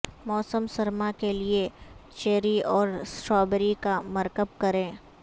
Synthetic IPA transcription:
mɔːsəmsɐɾmakeliet͡ʃeːɾiɔːɾsʈɔːbəɾikamɐɾkəb̚kɐɾẽː

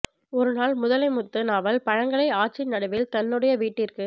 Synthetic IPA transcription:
ɔɾɯnaːlmʊðɐlɐɪmʊt̪ːɯnaːʋɐlpɐɻɐŋɡɐɭɐɪaːʈt͡ʃɪnːɐɽɯʋɪlt̪ɐnːɯɽɐjɐʋiːʈːɪrkɯ

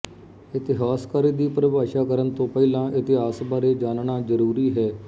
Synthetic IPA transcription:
ɪt̪ɪɦaːskaːɾiːd̪iːpɾəbaːʃaːkəɾənt̪õːpɛːlãːʔɪt̪ɪɦaːsbaːɾeːd͡ʒaːnɳaːzəɾuːɾiːɦɛː

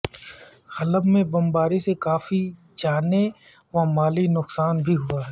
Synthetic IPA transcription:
hɐləbmẽbɐmbaːɾisekaːfi | t͡ʃaːne | ʋɐmaːlinʊqsaːnbʱiɦʊaɦɛː

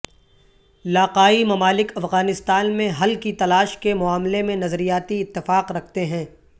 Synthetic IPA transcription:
ɪlaːqaːimɐmaːlɪkɐfɣaːnɪst̪aːnmẽɦɐlkit̪ɐlaːʃkemʊaːmlemẽnɐzɾijaːt̪iɪt̪ːɪfaːqɾɐkʰt̪eɦɛ̃ː

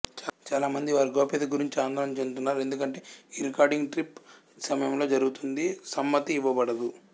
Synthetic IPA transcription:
t͡ʃːt͡ʃaːlaːmɐnd̪iʋaːɾiɡoːped̪ɐɡuɾiɲt͡ʃiaːnd̪ɐɾɐmt͡ʃenut̪̬unːaːɾe̞nd̪ukɐɳʈe̞ːiːɾikaːɾɖiŋɡʈɾip | sɐmɐjɐmlo̞ːd͡ʒɐɾuɡut̪und̪isɐmːɐt̪iːʋːɐbɐɽɐd̪u

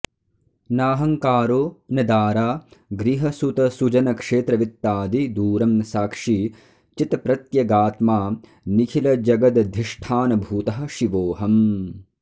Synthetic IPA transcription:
naːɦɐŋkaːɾoːnɐd̪aːɾaːɡɾiɦɐsut̪ɐsud͡ʒɐnɐkʂeːt̪ɾɐʋit̪ːaːd̪id̪uːɾɐmsaːkʂi | t͡ʃit̪pɾɐt̪jɐɡaːt̪maː | nikʰilɐd͡ʒɐɡɐd̪d̪ʱiʂʈʰaːnɐbʱuːt̪ɐɦɐ̆ʃiʋoːɦɐm

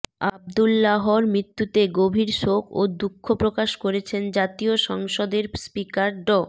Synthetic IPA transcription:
ab̚d̪ulːaɦoɾmɾit̪ːut̪eɡobʱiɾʃokʰo̰d̪ukʰːopɾokaʃkoɾet͡ɕʰend͡ʑat̪ioʃɔŋʃod̪eɾspikaɾɖɔ

